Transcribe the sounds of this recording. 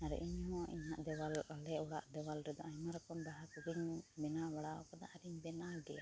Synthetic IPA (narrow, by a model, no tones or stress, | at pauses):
aɾɛ̰ʔiɲɦɔ̃ʔiɲɦaʔd̪ɛwalalɛɔɽa̰ʔd̪ɛwalɾɛd̪ɔajmaɾɔkɔmbaɦakuɡiɲbɛnabaɽaɔkɔd̪a̰ʔaɾiɲbɛnaɖɛja